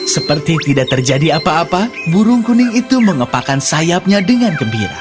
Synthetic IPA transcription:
səpərt̪it̪idaʔ̚t̪ərd͡ʒadiapaːpabuɾʊŋkunɪŋit̪uməŋəpakansajap̚ɲadəŋankəmbḭɾa̰

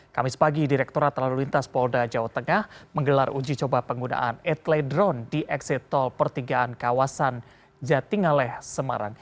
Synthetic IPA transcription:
kamɪspaɡidiɾɛk̚t̪oɾat̪ːəlalulint̪aspɔldad͡ʒawaht̪əŋahməŋɡəlarʔud͡ʒit͡ʃobapəŋɡuna̰ʔanɛt̪lɛdɾɔndiʔɛksɛt̪ɔlpərt̪iɡaankawasan | d͡ʒat̪iŋalɛhsəma̰ɾa̰ŋ

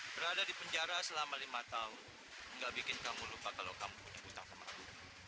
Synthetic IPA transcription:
b̥əɾadadipəɲd͡ʒaɾasəlamalimat̪aʊn | ŋɡaʔbikɪnkamulupakalawkamupuɲabut̪ahkəma̰lu

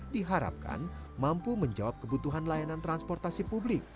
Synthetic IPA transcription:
diɦaɾa̰p̚ka̰nmampuməɲd͡ʒawap̚kəbut̪uɦanlajanant̪ɾanspɔrt̪asipublɪk̚

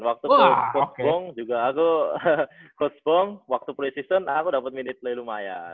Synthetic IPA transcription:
nwak̚t̪uokɔsbɔŋd͡ʒuɡaːku | kɔsbɔŋwak̚t̪upɾisisənakudapət̪̚minɪt̪̚lailumaja̰

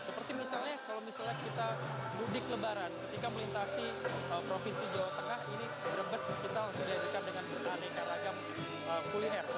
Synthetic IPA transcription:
səpərt̪imisalɲakalowmisalɲakit̪abudɪkləbaɾankət̪ikaməlint̪asiəpɾofinsid͡ʒawat̪əŋahini | bəɾəbəskit̪alasudiad͡ʒukandəŋanbərnanakaɾaɡam | əkuliɛr

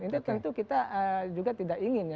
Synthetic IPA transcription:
int̪ut̪ənt̪ukit̪aʔəd͡ʒuɡat̪idakiŋɪnj

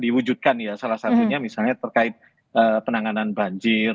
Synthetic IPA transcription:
diwud͡ʒut̪̚kanjasalahsat̪uɲamisalɲat̪ərkaɪt̪̚ | ʔəpənaŋananbaɲd͡ʒɪr

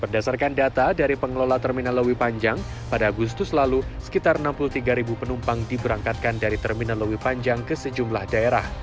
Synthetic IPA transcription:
b̥ərdasarkandat̪adaɾipəŋəlolat̪ərminanləwipaɲd͡ʒaŋ | padaːɡus̬t̪ʊslalusə̥kit̪arnampuluht̪iɡaɾibupənumpaŋdibəɾaŋkat̪̚kandaɾit̪ərminanləwipaɲd͡ʒaŋkəsəd͡ʒumlahdaeɾah

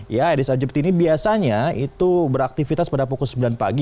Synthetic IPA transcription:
jaadisad͡ʒəpt̪inibiasaɲait̪ubəɾak̚t̪ifit̪aspadapukʊlsəmbilanpa̰ɡi

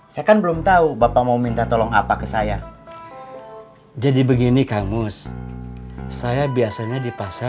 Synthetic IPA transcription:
sajakanbəlʊmt̪aubapamaumint̪at̪olɔŋa̰pakəsaja | d͡ʒadibəɡinikamʊs | sajabiasaɲadipasa

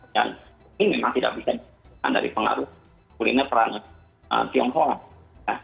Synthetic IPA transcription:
ja̰n | ɪmemaŋt̪ida̰ʔ̚bisadi | a̰nda̰ɾḭpəŋa̰ɾʊ | ulinapəɾan | ə̰p̪iɔŋɦɔŋ | ja

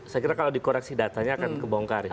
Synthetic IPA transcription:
sajkiɾakalawdikoɾɛksidat̪aɲaːkankəbɔŋkarj

